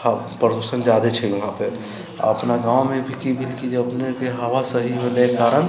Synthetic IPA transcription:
a | pɾəd̪osənd͡ʒad̪et͡ʃʰəlɐɦãpe | a̰əpnaɡãːwmẽbʱikibʱilkid͡ʒeəpnekeɦəʋasəɦiɦolekaːɾən

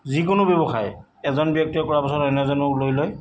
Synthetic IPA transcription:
zikʊnʊbjɔbɔxaj | ɛzɔnbjɔk̚tiɔkɔɹapasɔtɔnɛzɔnʊlojlɔj

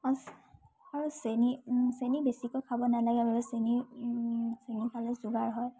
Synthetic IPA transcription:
ɔs | aɹusenisenibesikɔkʰabɔnalaɡɛbaɹɛseni | senipʰalɛzuɡaɹɦɔj

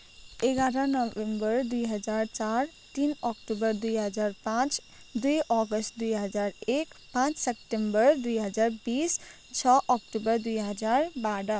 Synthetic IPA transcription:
eɡaɾə̃nɔbembəɾd̪ujɦʌd͡ʒaɾt͡ʃaɾ | t̪inɔkʈubəɾd̪ujɦəd͡ʒaɾpãt͡ʃ | d̪ujʔɔɡəsʈ̚d̪ujɦʌd͡ʒaɾekpãt͡ʃsep̚ʈembəɾd̪ujɦʌd͡ʒaɾbis | t͡ʃʰɔʔɔkʈubəɾd̪ujɦəd͡ʒaɾbaɽə

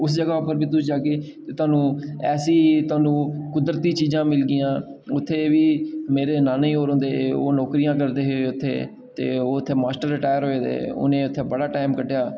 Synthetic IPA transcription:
ʊsd͡ʒəɡaːʊpəɾbiːt̪ʊsd͡ʒaːkeːt̪eːt̪ʊwaːnũːɛːsiːt̪ʊaːnũːkʊd̪ɾət̪iːt͡ʃiːzãːmɪlɡɪjãːʊt̪ʰːeːʋiːmeːɾeːnaːneiːoːɾɦʊ̃nd̪eːoːnoːkɾijãːkəɾd̪eːɦeeʊt̪ʰːḛː | t̪ḛːoːʊt̪ʰːeːmaːsʈəɾːɪʈaːjəɾɦoːeːd̪ḛːʊ̰nẽːʊt̪ʰːeːbəɽaːʈaːɪmkəɖjaː

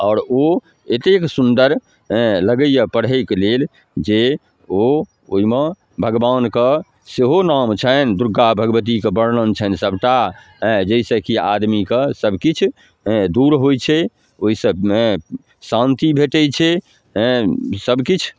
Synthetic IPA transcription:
ɔːɾo | et̪eksund̪əɾ | ləɡəjjəpəɽ̤ɦəɪklel | d͡ʒe | o | oime | bʱəɡbankə | seɦonamt͡ʃʰənd̪uɾɡabʱəɡbət̪̬ikebəɽnənt͡ʃʰənsəbʈ̪a | d͡ʒəisə̃kiad̪mikəsəbkit͡ʃʰ | d̪uɾɦojt͡ʃʰɛ | oisə̃ | sãnt̪ibʱeʈɛt͡ʃʰɛ | səbkit͡ʃʰ

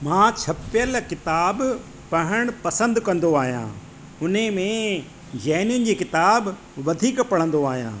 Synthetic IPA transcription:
mãːt͡ɕʰɐpɪjəlkɪt̪aːb | pɐɦəɽ̃pɐsə̃nd̪kɐ̃nd̪oaːɦijã̰ː | ʊn̤emẽ | d͡ʑɛːnjʊnɪ̆d͡ʑiːkɪt̪aːb | ʋɐd̪ʱiːkpɐɽ̤̃ə̃nd̪oaːɦijã̰ː

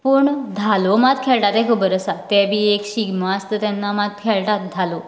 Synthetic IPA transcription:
pəɳd̪ʱalomad̪̚kʰeɭʈat̪ẽkʰəbəɾəsat̪ɛbʱiːekɕiɡməəst̪əːt̪ɛnːamat̪̚kʰeɭʈat̪̚d̪ʱalo

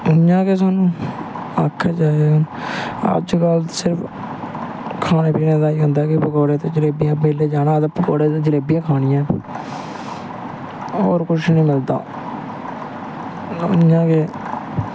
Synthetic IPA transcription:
ʊjãːkeːs̬aːnũː | aːkʰːeːd͡ʒaːeʊn | ə̰d͡ʒɡəlsɪɾpʰ | kʰaːneːpiːnẽːd̪aːiːɦʊnd̪aːkɪpəkoːɾeːt̪õːd͡ʒɪleːbijãːbeːleːd͡ʒaːnãːd̪əpəkoːɾeːt̪õːd͡ʒəleːbijãːkʰaːnɪjãː | oːɾkʊʃnĩːmɪld̪a̰ː | ʊ̰njãːkeː

